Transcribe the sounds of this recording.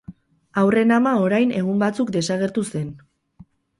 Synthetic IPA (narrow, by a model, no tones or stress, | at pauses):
awre̞namao̞ɾajne̞ɣ̞umbat͡sukd̪e̞saɣ̞e̞ɾt̪use̞n